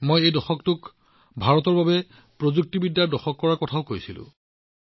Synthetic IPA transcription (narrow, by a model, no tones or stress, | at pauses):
mojejdɔxɔk̚tʊk | bʱaɹɔtɔɹbabɛ | pɹozuk̚tibidːaɹdɔxɔkːɔɹakɔtʰaʊkojsilʊ̰̃